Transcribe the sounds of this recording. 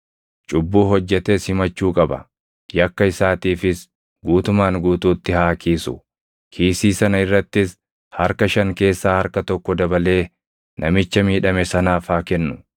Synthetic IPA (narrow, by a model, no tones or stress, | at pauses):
t͡ʃʼʊbːuːɦɔd͡ʒːɛt̪eːshɪmɐt͡ʃːuːkʼɐbɐ̰ | jɐkːɐɪsaːt̪iːfɪs | ɡuːt̪ʊmaːŋɡuːt̪uːt̪ːɪhaːkʰiːsʊ̰ | kʰiːsiːsɐnɐɪrːɐt̪ːɪs | hɐɾkɐʃɐŋke̞ːsːaːhɐɾkɐt̪ɔkːɔd̪ɐbɐle̞ː | nʔɐmɪt͡ʃːɐmiːᶑɐmɛsɐnaːfaːkɛnːʊ